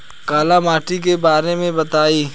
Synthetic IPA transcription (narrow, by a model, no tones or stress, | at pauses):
kaːlamaːʈikebaːɾnemẽbɐt̪aːiː